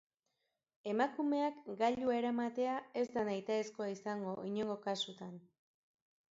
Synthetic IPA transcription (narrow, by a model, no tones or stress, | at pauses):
e̞makume̞akɡaʎuaeɾamat̪e̞ae̞zd̪anajt̪aesko̞aisaŋɡo̞ʔiɲo̞ŋɡo̞kasut̪an